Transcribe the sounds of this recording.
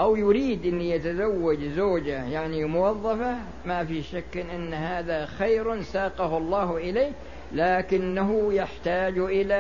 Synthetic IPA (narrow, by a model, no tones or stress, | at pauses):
ʔawjʊɾiːd̪ʔɪnːijat̪azawːad͡ʒzoːd͡ʒajaʕnimʊwɑðˤːɑfa | mafiʃakːʔɪnːɦaːðaxajɾsaːqɑhlˤːɑːhʔɪleː | laːkɪnːaɦʊjaħt̪aːd͡ʒʔɪla